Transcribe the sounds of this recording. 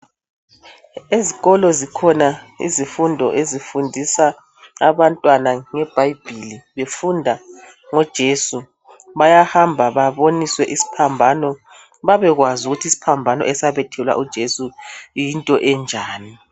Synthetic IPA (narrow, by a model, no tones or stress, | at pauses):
eziɣɔlɔzikʰɔna | ḭzifundʱɔ̰ʔezifundʱisa | aβantʼwanaŋɛb̥ʱajb̥ʱiliβefundʱa | ŋɔd̥ʒ̥ʱesu | βajahambʱaβaβoniswɛʔisi̥pʰambʱanɔ | βaβɛɣwazuɣutʰisi̥pʰambʱanɔ̰ʔɛsaβɛtʰɛlwa̰ʔud̥ʒ̥ʱesujintʼɔʔɛnd͡ʒʱaːni